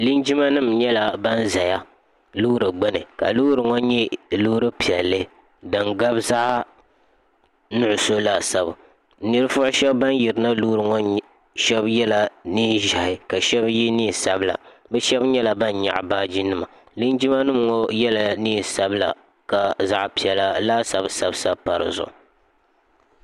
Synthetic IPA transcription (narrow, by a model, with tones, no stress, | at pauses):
li˦nd͡ʒi˦ma˦nɨ˦˨mɲɛ˦la˨ba˦nza˨ja˦ | lu˦ɾɨ˨ɡ͡bɛ˦nɨ˨ka̰˨lu˦ɾɨ˨ŋo˦ɲɛ˦lu˦ɾɨ˦pi˨ɛ˨lːɨ˦ | dɨ˨ŋɡa˦bza˦ʔa˦ | nʊ˦ʔʊ˨so˦la˨sa˦˨ba˨ | nɨ˦ɾɨ˦fʊ˦ʔʊ˦ʃɛ˦bba˦n˦ji˨ɾɨ˨na˦lu˦ɾɨ˨ŋo˦ | ʃɛ˦bjɛ˦la˨niː˦ʒa˨hɪ˨ka˨ʃɛ˦bji˦niː˦˨sa˨bla̰˨bɛ˦ʃɛ˦bɲɛ˦la˨ba˦nɲa̰˨ʔbaː˦d͡ʒi˦nɨ˦ma˨ | lɨ˦n˦d͡ʒi˦ma˦nɨ˦mŋo˦jɛ˦la˨niː˦˨sa˦bla̰˨ | ka˨za˦ʔpi˨ɛ˨la˦laː˦sa˨bsa˨bsa˦pa˨ɾɨ̰˨zʊ̰˨ʔ